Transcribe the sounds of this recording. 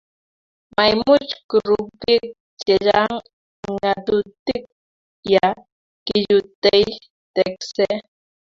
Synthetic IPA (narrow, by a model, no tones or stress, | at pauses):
majmʊt͡ʃkʊɾʊpɪk̚ | t͡ʃeʎaŋ | ŋat̪ʊt̪ɪk̚ | ja | kɪʎʊt̪ej | t̪ekse